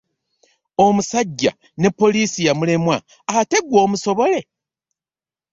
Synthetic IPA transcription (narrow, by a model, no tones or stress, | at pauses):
o̞musaɟːa̰ | ne̞pːo̞liːsijamule̞mwa | te̞ɡwo̞ːmuso̞βo̞le̞